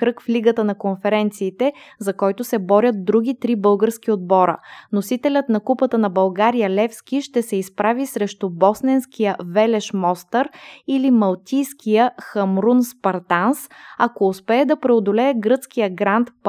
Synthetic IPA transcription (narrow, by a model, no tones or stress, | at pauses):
kɾɤkfliɡət̪ənɐkonfɛɾɛnt̪siːt̪ɛzɐkɔjt̪ʊsɛbɔɾʲjət̪̚d̪ɾuɡ̟ʲit̪ɾibɤlˠɡəɾsk̟iod̪̚bɔɾə̰nosit̪ɛlʲət̪nɐkupət̪ənɐbɐlˠɡaɾijəlɛfskiʃt̪ɛsɛispɾavisɾɛʃt̪ʊbɔsnɛnskijəvɛlɛʃmɔst̪əɾilimɐlˠt̪ʲijskʰijəxɐmɾunspɐɾt̪ansɐkoːspɛːd̪ɐpɾɛod̪olɛɛɡɾɤt̪sk̟ijəɡɾant̪p